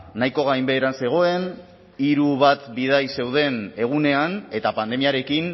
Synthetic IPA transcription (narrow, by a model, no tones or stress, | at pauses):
najko̞ɣ̞ajmbe̞ːɾanse̞ɣ̞o̞e̞n | iɾuβat̪biðajse̞wð̞e̞ne̞ɣ̞une̞ane̞t̪apand̪e̞miaɾe̞kin